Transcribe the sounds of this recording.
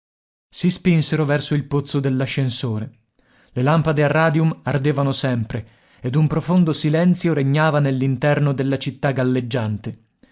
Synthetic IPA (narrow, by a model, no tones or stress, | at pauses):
sispinseɾovɛrsoilpot̪sːod̪elːaʃːensoːɾe | lelampad̪earːaːd̪iumard̪eːvanosɛmpɾe | ed̪umpɾofond̪osilɛnt̪sjoɾeɲːaːvanelːint̪ɛrnod̪elːat͡ʃit̪ːaɡalːed͡ʒːant̪e